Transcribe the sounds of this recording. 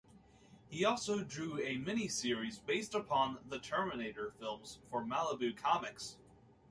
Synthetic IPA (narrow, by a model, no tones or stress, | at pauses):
hiɔlˠsoʊdɹʉɨmɛñisɪɹizbeɪstəpʰɑ̃nðɨtʰɜ˞mɨneɪɾə˞fɪlˠmz̥fə˞mælˠəbʉkʰɑmɨks